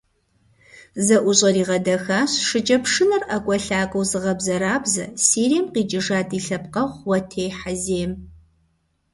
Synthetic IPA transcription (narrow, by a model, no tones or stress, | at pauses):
zɐʔʷʊɕʼɐɾiːʁɐdɐxaːɕʂɨd͡ʒʼɐpʂɨnɐrʔɐkʷʼɔɬaːkʷʼɐwzɨʁɐbzɐɾaːbzɐ̰siːɾiɛmqiːd͡ʒʼɪʐaːdiːɬɐpqɐʁʷwɐtʰeːħazeːm